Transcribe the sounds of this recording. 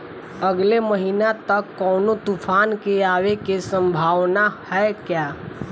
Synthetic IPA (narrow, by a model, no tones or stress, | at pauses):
əɡleməɦiːnat̪ɐkːɔːnot̪ufʰaːnkeaːwekesə̃mbʱaːwnahɛkjaː